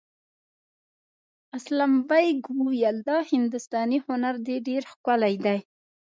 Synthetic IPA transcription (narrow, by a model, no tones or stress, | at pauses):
aslambajɡwujald̪ɑhɪnd̪ʊst̪ɑnihʊnaɾd̪eɖeɾxkʷalajd̪aj